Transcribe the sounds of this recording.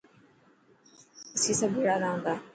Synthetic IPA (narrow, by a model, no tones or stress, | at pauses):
ɪsiːsəbʱeːɽanaːɦũːnd̪aː